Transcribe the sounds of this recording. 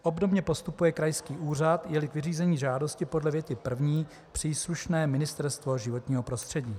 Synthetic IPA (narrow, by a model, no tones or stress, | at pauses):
ʔo̞bdo̞bɲɛpo̞st̪upujɛkɾajskiːʔuːr̝at̪jɛlɪkvɪriːzɛɲiːʒaːdo̞scɪpo̞dlɛvjɛt̪ɪpr̩vɲiː | pr̝̥iːsluʃnɛːmɪnɪst̪ɛɾst̪vo̞ʒɪvo̞t̪ɲiːɦo̞pɾo̞st̪r̥ɛɟiː